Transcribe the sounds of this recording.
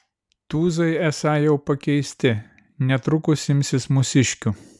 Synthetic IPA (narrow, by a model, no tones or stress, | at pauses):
t̪uːzɐɪɛsɑːjɛʊpɐkʲɛɪsʲt̪ʲɪ | nʲɛt̪ɾʊkʊsʲɪmʲsʲɪsmʊsʲɪʃʲkʲʊ